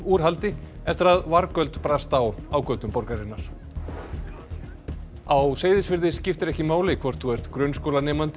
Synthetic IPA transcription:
uːɾ̥halt̪ɪɛft̪ɪɾaðvaɾkœlt̪pɾast̪awaːwkœːt̪ʏmpɔɾkaɾɪnaɾ̥ | awseːjðɪsvɪɾðɪscɪft̪ɪɾɛhcɪmaːwlɪkʰvɔr̥t̪θuɛr̥t̪kɾœnskowlanɛːmant̪ɪ

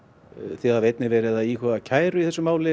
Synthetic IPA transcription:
θiavejt̪nɪvɛːɾɪðaiːkʰɔðacʰaːjɾʏiθɛsːʏmaːwlɪ

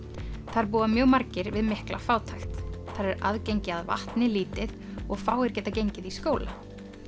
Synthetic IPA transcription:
θaɾp̬uːamjœːɣmaɾcɪɾvɪðmɪhkla̰faːwt̪ʰajxt̪θaɾɛɾa̰ðcejɲcɪaðva̰ht̪nɪliːt̪ɪð | ɔɣfaːwɣɪɾ̥cɛːt̪acejɲcɪðiskoːwla

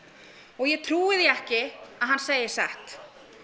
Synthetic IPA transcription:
ɔɣjɛt̪ʰɾuːɪðjɛɛhcɪaðɦanseːjɪsɛ̰ht̪

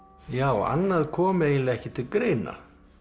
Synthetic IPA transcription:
jaːwa̰nːaðkʰɔːmʏeːjnlɪɣɛhcɪt̪ʰɪlkɾeːjna̰

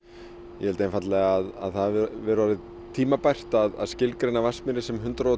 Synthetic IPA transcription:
jɛvɛlt̪aejnfat̪lɛɣaaða̰ðθaðvɪɾvaɾɪð | t̪ʰiːmapajr̥t̪aða̰ðscɪlkɾejnavasmɪɾɪsɛmɦʏnt̪ɾaɔ

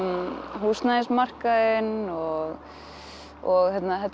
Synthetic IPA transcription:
ɦuːsnaɪ̃nsmar̥kaɪnɔɣ | ɔɣθjɛt̪naθɛt̪

